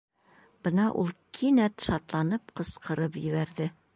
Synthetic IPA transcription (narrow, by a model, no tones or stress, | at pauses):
b̥ɤnɑʔṵlˠkʰinæt̪ʃɑt̪lˠɑnɤp̚qɤ̆sqɤ̆ɾɤpjɘ̆βæɾðɘ